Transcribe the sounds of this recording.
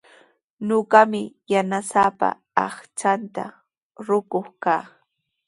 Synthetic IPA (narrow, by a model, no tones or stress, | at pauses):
ɲoɢɑmɪjanasapa̰ | ɑχt͡ʃant̪a̰ | ɾʊkoχkaː